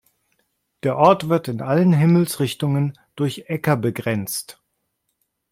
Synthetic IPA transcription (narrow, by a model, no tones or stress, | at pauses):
d̥eːɐʔɔɐtv̥ɪɐtɪnʔalənɦɪml̩sʁɪçtʊŋən | d̥ʊɐçʔɛkɐbəɡʁɛnt͡st